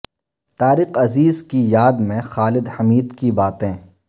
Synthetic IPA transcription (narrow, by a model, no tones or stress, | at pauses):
t̪aːɾɪqɐziːzkijaːd̪mẽxaːlɪd̪hɐmiːd̪kibaːt̪ẽ